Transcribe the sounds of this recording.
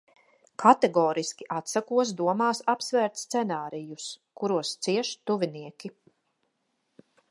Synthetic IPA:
kʰat̪ɛɡɔːɾiskʲiʔat̪sakuɔs̬d̪uɔmaːsapsvæːɾt̪st̪sɛnaːɾijuskuɾuɔst̪siɛʃt̪uviniɛkʲi

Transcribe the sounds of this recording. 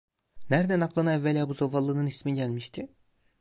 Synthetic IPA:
næɾd̪ænaklˠanaɛvːɛlʲabuzovalˠɯnɯnismiɟælʲmiʃt̪ʰi

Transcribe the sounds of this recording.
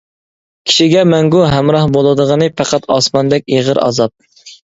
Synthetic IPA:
kʲʰi̥ʃiɡʲɛmæŋɡuɦæmɾɑhbolˠɨd̪əʁənɨpɑqʰɑt̪ɑ̰smɑnd̪ɛkʲeʁəɾɑ̰zɑp̚

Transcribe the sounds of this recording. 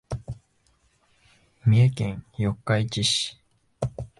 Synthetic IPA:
mʲiekẽŋjokːait͡ɕiɕi̥

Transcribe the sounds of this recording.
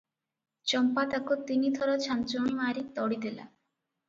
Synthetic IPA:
t͡ʃɔmpat̪akut̪inid̪ʱɔɾɔt͡ʃʰant͡ʃoɽ̃imaɾit̪ɔɽid̪ela̰

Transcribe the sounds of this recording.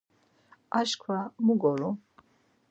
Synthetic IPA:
aʃkʰwamuɡɔɾu

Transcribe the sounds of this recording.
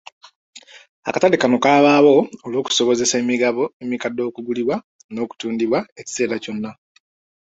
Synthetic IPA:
a̰kataɾikano̞kaːβaːβo̞olo̞ːku̥so̞βo̞ze̞semiɡβoemikadːo̞ːkuɡuliβwa | no̞ːku̥tuːndiβwae̞ci̥se̞ːɾaco̞nːa

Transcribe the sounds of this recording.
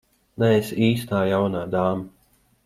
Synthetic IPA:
nɛesiːst̪aːjawnaːd̪aːma

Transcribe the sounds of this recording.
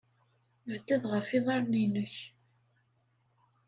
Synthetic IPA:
vəd̪ːəðʁəfiðˤɑɾˤninəç

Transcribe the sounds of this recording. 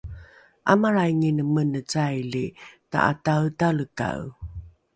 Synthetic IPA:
ʔamaɾajŋinəmənət͡sajlita̰ʔa̰tawtaɭəka̰w

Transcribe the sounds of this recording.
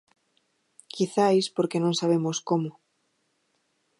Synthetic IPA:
kiθajspoɾkenõŋsaβ̞emoskomo

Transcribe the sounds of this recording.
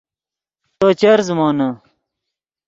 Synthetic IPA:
t̪oːt͡ɕɐɾzmoːnɐ

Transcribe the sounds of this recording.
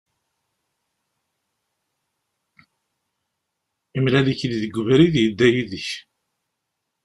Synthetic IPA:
imlæliçliðəɡʷːəvɾiðjəd̪ːæjiðəç

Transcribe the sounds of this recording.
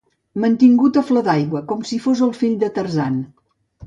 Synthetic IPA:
mənt̪iŋɡut̪əfləðajɣwəkɔmsifozəlˠfiʎʲd̪ət̪ərzan

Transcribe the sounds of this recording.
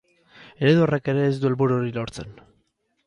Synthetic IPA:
e̞ɾeðuoreke̞ɾe̞ːzd̪ue̞lβuɾuoɾilo̞ɾt͡se̞̰n

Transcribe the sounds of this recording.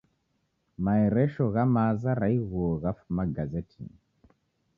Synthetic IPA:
maɛɾɛʃɔɣamazaɾaiɣuɔɣafumaɡazɛtʰḭ

